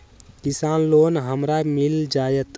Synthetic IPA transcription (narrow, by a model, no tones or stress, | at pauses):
kisanlonɦəmɾamild͡ʒajət̪